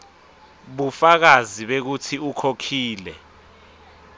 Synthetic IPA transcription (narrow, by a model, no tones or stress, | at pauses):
ɓufak̬aziɓek̬utʰiukʰokʰiːlɛ